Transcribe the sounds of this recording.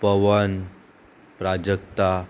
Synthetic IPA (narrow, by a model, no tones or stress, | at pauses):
pəʋən | pɾad͡ʑəkt̪a